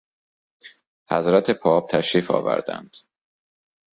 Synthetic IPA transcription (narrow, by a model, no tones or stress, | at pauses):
hæzɾæt̪ʰe̞pʰɒːb̥̚t̪ʰæʃɾiːfɒ̰ːvæ̰ɾd̪æ̰nd̪̥